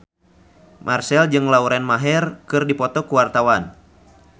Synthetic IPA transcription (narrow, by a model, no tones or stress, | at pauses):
mʔarsɛld͡ʒɨŋlauɾɛnmaɦɛrkɨrdipɔt̪ɔkuwart̪awan